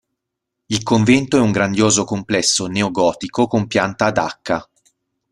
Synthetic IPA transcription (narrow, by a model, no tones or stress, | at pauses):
ilkoɱvɛnt̪oɛuŋɡɾand̪joːzokomplɛsːoneoɡɔːt̪ikokompjant̪aːd̪a̰kʰːa